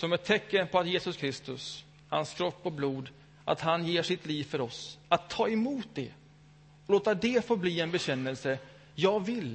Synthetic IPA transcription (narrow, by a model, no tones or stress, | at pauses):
sɔmɛt̪ʰːɛkːənpʰɔat̪jeːsɵskʰɾɪst̪ɵs | ha̰nskʰɾɔpːɔbluːd̪ | ʔa̰t̪hanjeːʂɪt̪liːvfœɾɔsat̪ʰːɑːɛmuːt̪̚d̪ɛ | ɔloːt̪ad̪ɛfoːbliːɛnbɛɕɛnːəlsə | jɑːɡvɪl